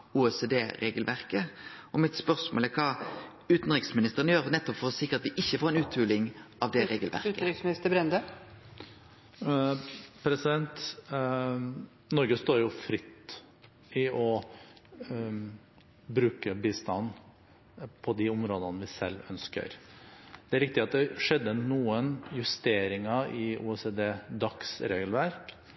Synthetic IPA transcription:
uːɛseːd̪eːɾeːɡəlʋæʁkə | ɔmɪt̪spœʁsmo̰lɛkʰɑː | ʉːt̪n̩ʁɪksmɪnɪst̪əʁənəjøːʁnɛt̪ːɔpfɔʁsɪkːəɑt̪ʋɪʔɪçːəfoːʁɛnʉːt̪ʰʉːlɪŋʔɑʋd̪ɛʁeːɡəlʋæ̰ʁt̪əɾɪksmnɪst̪əbɾɛnd̪ə | pʰɾɛsɪd̪ɛnt̪ | nɔɾɡəst̪oːɾjʊfɾɪt̪ː | ɪɔ | bɾʉːkəbiːst̪ɑnː | pʰɔd̪ɪʊmɾoːd̪ənʋɪsɛlːœnskə̰ɾd̪̥ɛæɾɪkt̪ɪɑt̪̚d̪ɛʂɛd̪ːənuːənjʉst̪eːɾɪŋɑɪʔṵɛseːd̪eːd̪ɑksɾeːɡəlʋæɾk

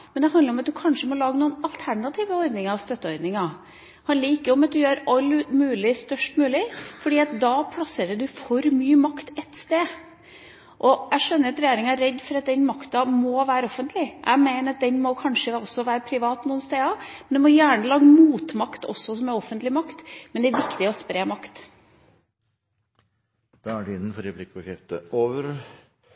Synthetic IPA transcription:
mɛnd̪ɛɦɑnd̪əɾɔmɑt̪̚d̪ʉkʰɑnʂəmɔlɑːɡənuːnɑlt̪ʰæɳɑt̪ʰiːʋəɔɾd̪nɪŋɑʋst̪œt̪ːəɔɾd̪nɪŋɑ | hɑnliːɪkːəɔmɑt̪̚d̪ʉjøːɾɑlːmʉːlɪst̪œʂʈmʉːlɪfɔɖiːɑt̪̚d̪ɑːpʰlɑseːɾəd̪ʉfɔɾmyːmɑkt̪ɛt̪st̪eː | ʔɔæʂœnːəɾɑt̪ɾɛjeːɾɪŋæɾːɛd̪ːfɔɾɑt̪̚d̪ɛnmɑkt̪ɑmɔʋæːɾəɔfːənt̪ʰlɪʔæ̰ɪmeɪnəɾɑt̪̚d̪ɛnmɔkʰɑnʂəɔsːɔʋæːɾəpʰɾɪʋɑːt̪nuːənst̪eːɑmɛnd̪ʉmɔjæːɳəlɑːɡəmuːt̪mɑkt̪ɔ̰sːɔsɔmɛɔfːənt̪lɪmɑkt̪mɛnd̪ɛæɾʋɪkt̪ɪɔspɾeːmɑkt̪ | d̪̥ɑæɖɪnnfɔɾɛblɪkːbəkʰɾɛft̪ə̰oːʋəɾ

